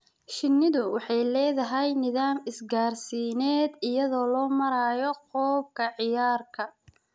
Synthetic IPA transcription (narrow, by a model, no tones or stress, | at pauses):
ʃɪnːɪðʊwɑħɑjlɛːðɐɦɛjnɪðaːmɪsɡaːrsiːnɛːd̪ɪjɐðɔːlɔːmɐɾaːjɔqɔːb̚kʰɐʕɪjaːrkʰɐ